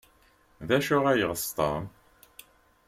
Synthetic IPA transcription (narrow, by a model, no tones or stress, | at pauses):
ðæʃʊʁæjəʁəst̪ˤə̰m